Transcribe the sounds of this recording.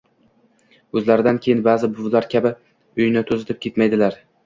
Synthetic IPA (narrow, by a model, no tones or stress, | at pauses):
ɵzlaɾɪd̪ankʲʰejɪnbaːzɪbʊvlaɾkʲʰabɪ | ʊjnɪt̪ʰɵzɪt̪ʰɪp̚kʲe̞t̪majd̪ɪlaɾ